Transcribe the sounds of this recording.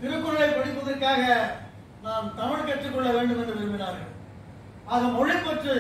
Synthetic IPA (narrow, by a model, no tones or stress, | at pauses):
t̪ɪɾɯkːɯɾɐlɐɪpɐɽɪpːɐðɐrkaːɣɐ | naːmt̪ɐmɪɭkɛʈrɯkːɔɭːɐʋeːɳɖɯmɛndrɯʋɪɾɯmbɪnaːɾɣɐ̰ɭ | aːɣɐmɔɻɪpːɐʈrɯ